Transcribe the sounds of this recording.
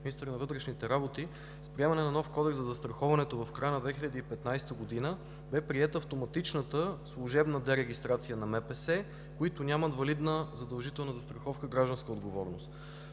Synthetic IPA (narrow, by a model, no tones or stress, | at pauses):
minist̪əɾnɐvɤt̪ɾɛʃnit̪ɛɾabot̪i | spɾiɛmɐnɛnɐnɔfkɔd̪ɛkzɐzɐst̪ɾɐxɔvɐnɛt̪ovɐfkɾajənɐd̪vɛxilʲɐd̪iipɛt̪najst̪əɡod̪inə | bɛpɾiɛt̪əːft̪omɐt̪it͡ʃnət̪əslˠʊʒɛbnəd̪ɛɾɛɡ̟ist̪ɾat̪sijənɐmɛpɛsɛ | koit̪ʊnʲamɐt̪vɐlid̪nəzɐd̪ɐlˠʒit̪ɛlˠnəzɐst̪ɾɐxɔfkəɡɾaʒd̪ɐnskəod̪ɡovɔɾnost̪